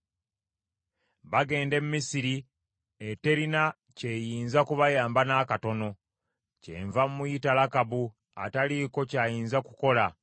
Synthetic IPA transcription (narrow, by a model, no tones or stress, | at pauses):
βaɡe̞ːnde̞mmisiɾi | ete̞ɾina | ce̞jiːnzakuβajaːmbanaːkato̞no̞ | cḛɱvammujitalakaβu | a̰taliko̞caːjiːnzakuko̞la